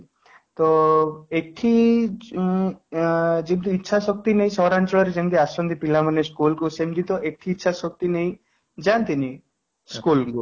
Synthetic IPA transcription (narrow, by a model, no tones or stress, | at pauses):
t̪ɔekʈʰi | d͡ʒint̪uitːʃʰasɔk̚t̪ineɦĩsɔɦɾant͡ʃɔɭɔɾed͡ʒenk̪iasɔnd̪ipilamaneskulkusemd͡ʒint̪ɔʔekʈʰiːtːʃʰasɔk̚t̪ineĩ | d͡ʒant̪ini | skulku